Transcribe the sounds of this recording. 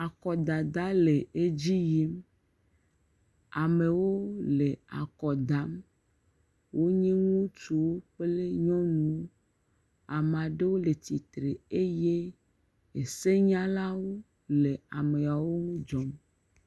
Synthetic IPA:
a˨kɔ˨d̪a˨d̪a˦le˨e˦d͡ʑi˦je˦m | a˨me˨wo˦le˨a̰˨kɔ˨d̪a˨˦m | wʔo˦ɲẽ˦ŋũ˦t͡ʃu˨wo˦k͡ple˦ɲɔ̃˦nũũ˦wo˦ | a˨m˨ã˨ɖe˦wo˦le˨t̪i˨t̪ɾe˨e˦je˦ | e˨se˦ɲã˦la˦wo˦ | le˨a˨me˨a˨wo˦ŋũ˦d͡ʒɔ˨˦m

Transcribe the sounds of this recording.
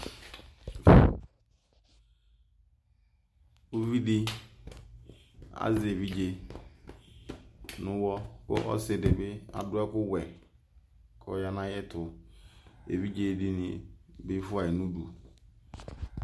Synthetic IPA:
u˦vi˦di˦ | a̰˦zi˨e˨vi˦d͡ʒe˦ | nʊ˦wɔ˦ko̰˦ʔɔ̰˦sɪ˨dɪ˨bɪ˦a̰˦dʊ˦ɛ˦kʊ˦we˨ | kʰɔ̰˦ja˦na˦jɛ˦tʊ˨ | ḛ˨vi˦d͡ʒe˦˨di˦ni˦bi˦fu˦a˨i˨nu˦du˨

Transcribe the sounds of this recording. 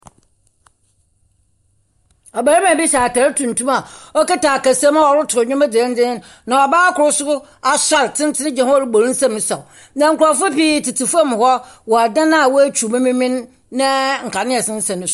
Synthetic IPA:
ɔ˨bæ˨ɾa˦mã˨bi˦ɕa˨ta˨ɾtʰũ˨n̩˨tʰũ˦ma˨ɔ˦kɛ˦taː˨kæ˨sã˦ma˦ɔ˨ɾʊ˦tʰʊ˨ʊ˨ɲᶣʊ̃˦mã˦d͡zɪ˨ɾɛ̃˦n˦dɪ̃˦n˦ | nã˨ɔ˨baː˦kʊ˨ɾʊ˦sʊ˦ | a˨sa˦ɾtʰɪ̃˦n˦tʰɪ˦nɪ̃˦d͡ʑɛ̃˨hɔ˦ɾɪ˦bo˨ɾn̩˦sã˦mɪ̃˨sa˨w | nã˨ŋ̩˨kʊ˨ɾɔ˨fʊ˦pi˦˨tɪ˨tʰɪ˨fu˦a˦m̃˨hɔ˦wɔ˨a˨dã˦nã˦a˨wɔ˦æ˦t͡ɕʰu˨mĩ˦mĩ˦mɪ̃˦nː | ɛ̃˦ŋ̩˨ka˨nɪ̃˦ɛ˨sɪ̃˦n̩˦sã˨nʊ̃˦sʊ̥˨˦

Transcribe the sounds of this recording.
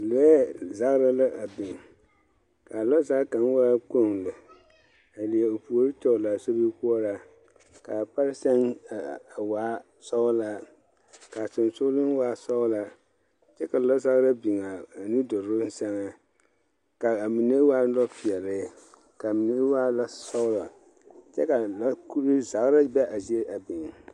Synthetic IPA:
lo˨˦ɛ˦za˦ɣɾa˦la˦a˨bi˨ŋ | ka˨lɔ˦za˦ka˨n˦waː˦ko˦˨ŋlʊ˨ | a˨li˨e˨o˨pu˨o˨ɾi˦tɔ˨la˨so˦bi˦ku˦ɔ˦la˨ | ka˨pa˦ɾɪ˦sɛ˦ŋ˨a˨waː˨˦ | sɔ˦la˦ | ka˨sʊ˨nsʊ˦lʊ˦n˦waː˦sɔ˦la˦ | t͡ʃɛ˦ka˨lɔ˦za˦ɣɾa˦bi˨ŋa˨a˨ni˦dɔ˨ɾʊ˦n̩˦sa˦ŋa˦ | ka˨a˨mi˨ne˦waː˦dɔ˦pɪ˨ɛ˨lɪ˦ | ka˨mi˨ne˦waː˦la˦sɔ˦ʊ˦la˨ | t͡ʃɛ̰˦ka˨la˦ku˦ɾi˦za˨ɣɾa˦bɛ˦ʔa˨zi˦e˦ʔa˨bi˨ŋ˨

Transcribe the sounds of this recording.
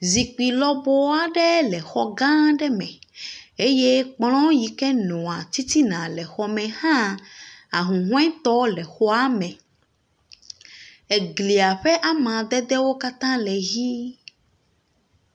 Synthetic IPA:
zi˨k͡pi˨lɔ˦bɔ˦a˦ɖɛ˦lɛ˨xɔ˨ɡã˦ɖɛ˦mɛ̃˨e˦je˦k͡plɔ̃˦ji˨kɛ˦nɔ̃˨a˨t̪i˦t̪i˦nã˨lɛ˨xɔ˨mɛ̃˨hã˦ | a˨ɦũ˨ɦw̃ɛ̃˦t̪ɔ˦lɛ˨xɔ˦a˦mɛ̃˨ | e˨ɡli˨a˨ɸɛ˦ʔa˦mã˨d̪ɛ˦d̪ɛ˦wo˦ka˦t̪ã˦lɛ˨ɣi˦

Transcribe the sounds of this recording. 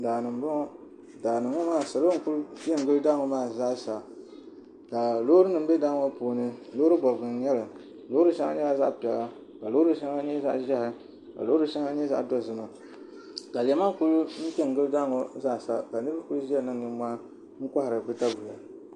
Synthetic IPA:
daː˨nɨ˨m˨bɔ˦ŋɔ˦ | daː˨nɨ˨ŋɔ˦maː˦˨sa˨lo˦ŋ̩˨ku˦ltɛ˦ŋ̩˨ɡɨ˦lda˦˨ŋɔ˨maː˦˨za˦ʔsa˨ | ka˨lo˦hɾɨ˦nɨ˨m̩˦bɛ˦da˦ŋɔ˦poː˨nɨ˦˨lo˦ɾɨ˦bɔ˨bɡɨ˨n˦ɲɛ˦lɨ˨ | lo˦ɾɨ˦ʃɛ˦ŋa̰˦ɲɛ˦la˦za̰˦ʔpi˨ɛ˨la˦ | ka˨loː˦ɾɨ˦ʃɛ˦ŋa˦ɲɛ˦za̰˦ʔʒɛ˦hɪ˨ | ka̰˨lo˦ɾɨ˦ʃɛ˦ŋa˦ɲɛ˦za̰˦ʔdɔ˦˨zɨ˦ma˨ | ka˨lɛ˨ma˦ku˦ln̩˦tɛ˦ŋ˨ɡɨ˦lda˦ŋɔ˨za˦ʔsa˨ka˨nɨ˦ɾɨ˦ku˦ʒi˦ɛ˦nɨ˦ŋː˨ɨ˨˦maː˦ | ŋ̩˦kʷa˦hɪ˨ɾɨ˨bɨ˦ta˦bu˨ja˨

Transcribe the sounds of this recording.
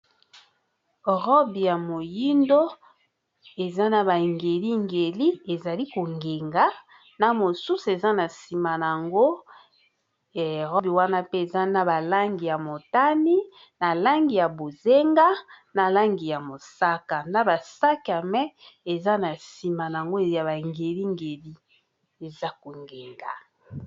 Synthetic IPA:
ʁɔ˦bi˨ja˨mo˨ji˦ndo˦ | e˨za˦na˨ba˨ŋɡe˨li˦ŋɡe˨li˦e˨za˨li˦ko˨ŋɡe˨ŋɡa˦ | na˨mo˨su˦su˨e˨za˦na˨si˨ma˨na˨a˨ŋɡo˦˨ | ʁɔ˦bi˨wa˦na˦pe˦e˨za˦na˨ba˨la˦ŋɡi˨ja˨mo˨ta˦ni˦ | na˨la˦ŋɡi˨ja˨bo˨ze˦ŋɡa˦ | na˨la˦ŋɡi˨ja˨mo˨sa˦ka˨na˦ba˨sa˦ka˨mɛ˦e˨za˦na˨si˨ma˨n˨a˨ŋɡo˦˨ja˨ba˨ŋɡe˨li˦ŋɡe˨li˦ | e˨za˦ko˨ŋɡe˨ŋɡa̰˨

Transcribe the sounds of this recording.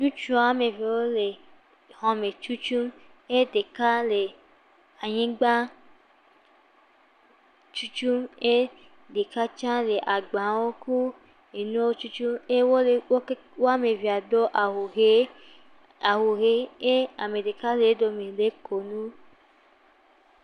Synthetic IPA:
nũ˦t͡ʃu˦a˦me˨vi˨o˦le˨ | hɔ˨˧me˨t͡ʃu˦t͡ʃu˦m | e˦de˨ka˦le˨ | a˨ɲĩ˦ɡ͡ba˦ | t͡ʃu˦t͡ʃu˦me˦ | de˨ka˦t͡ʃã˦le˨ʔa˨ɡ͡ba˨˦wo˦ku˦ | e˨no˦t͡ʃu˦t͡ʃu˦e˦wo˦e˨wo˦wo˦a˦me˨vi˨a˨do˦ʔe˦ | a˨wo˨ɦe˦e˦a˨me˨de˨ka˦le˨˦do˧me˨le˨˦kʰo˨nũ˦

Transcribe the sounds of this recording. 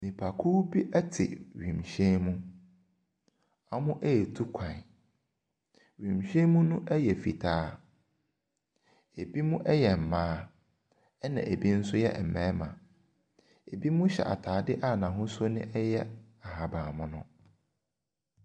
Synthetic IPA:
nĩ˨pʰa˨kʰu˦bi˦ʔɛ˦tʰɪ̰˨ɥĩ˨m˨ɕɛ̃˦mũ˦ | a˨mʊ̃˦ʔe˦˨tʰu˦kʷʰã˨n˨ | ɥĩ˨mɕᶣɛ̃˦mũ˦nʊ̃˦ʔɛ˦jɛ˨fi˨tʰaː˦ | e˨bi˦mũ˦ʔɛ˦jɛ˨m̩˨mãː˦ | ɛ˦nã̰˨ʔe˨bi˦n̩˦sʊ˦jɛ̰˦˨m̩˨mɛ̃˨˦mã̰˨ | e˨bi˦mũ˦ɕɛ̰˨ʔa̰˨tʰaː˨dɪ˦ʔa˦˨nã˨ɦʊ̃˦so˦nɪ̃˦ɛ˦jɛ˦ | a˨ɦa˨bãː˨mʊ̃˦nʊ̰̃˦

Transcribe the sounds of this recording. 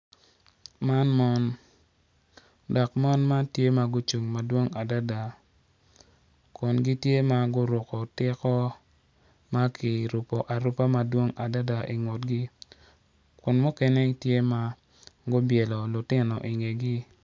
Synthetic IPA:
ma˦nmɔ˦n | dɔ˨kmɔ˦nma˦tje˦ma˨ɡʊ˦t͡ʃu˨ŋma˨dwo˦ŋa˨da˦da˨ | kʊ˨nɡi˦tje˦ma˦˨ɡʊ˦ɾʊ˨kɔ˨tɪ˦kɔ˦ | ma˦kʰɪ˨ɾʊ˨pɔ˨ʔa˨ɾʊ˦pa˦ma˨dwo˦ŋa˨da˦da˨ʔi˨ŋo˨t̚ɡi˦ | kʊ˨nmʊ˦kɛ˦nɛ˦tje˦ma˦ | ɡʊ˦bje˨lɔ˨lʊ˨tɪ˦nɔ˨ʔɪ˨ŋe˨ɡi˦

